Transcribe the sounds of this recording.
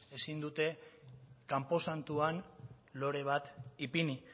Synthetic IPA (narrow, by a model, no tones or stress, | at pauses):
e̞sind̪ut̪e̞ | kampo̞sant̪uan | lo̞ɾe̞β̞at̪ipini